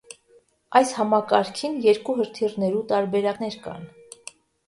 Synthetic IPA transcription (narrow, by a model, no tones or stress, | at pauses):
ɑjshɑmɑkɑɾkʰinjɛɾkuɦəɾt̪ʰirnɛɾut̪ɑɾbɛɾɑknɛɾkɑ̰n